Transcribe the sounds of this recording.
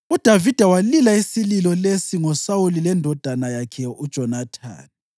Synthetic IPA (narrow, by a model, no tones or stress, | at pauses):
ud̥ʱavid̥ʱawalilaisililɔlesiŋɔsawulilɛndʱɔd̥ʱanajakʰɛud̥ʒ̥ʱɔnatʰa̰ːni